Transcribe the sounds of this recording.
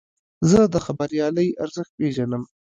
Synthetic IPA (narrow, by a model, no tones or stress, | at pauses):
zəd̪əxabaɾjɑləjaɾzəxt̪̚peʒanəm